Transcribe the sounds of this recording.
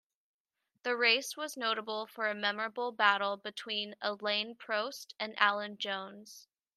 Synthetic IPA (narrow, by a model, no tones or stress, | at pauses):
ðɨɹeɪswʌznoʊɾəbl̩ˠfə˞ɨmɛmə˞ɨbl̩ˠbæɾl̩ˠbɨtʰw̥ĩnəlẽɪ̃npʰɹ̥oʊstɨ̃nʔæ̰lˠə̃nd͡ʒõʊ̃nz̥